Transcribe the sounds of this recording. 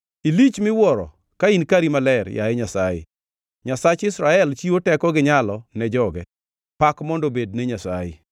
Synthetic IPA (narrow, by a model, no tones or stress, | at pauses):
ilit͡ʃmɪwɔɾɔ̰ | kainkaɾimalɛɾja̰ɛɲasajɪ̰ | ɲasat͡ʃɪsɾaɛlt͡ʃiotɛkɔɡɪɲalɔnɛd͡ʒɔɡɛ | pakmɔndobedneɲasajɪ̰